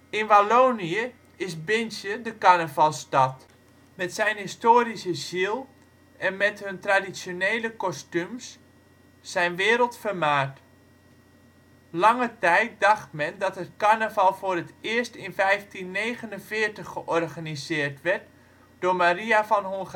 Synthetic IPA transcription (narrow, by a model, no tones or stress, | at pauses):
ɪnʋaloːniə | ɪsbɪnsjədəkaɹnəvɑlˠstɑt | mɛtsɛjnɦistoːɾisəzilˠ | ɛnmɛthɵntradisjonejləkɔstymsː | ɛjnʋɪːɾəlˠtfərmaːt | lɑŋətɛjt̚dɑxtmɛndɑtətkarnəvɑlˠfʊːrətɪərstɪnfɛjftinːejɣənənvɪərtəχːəʔɔrɣanizɪːərtʋɛrt̚ | d̥oːmariafɔnɦoŋx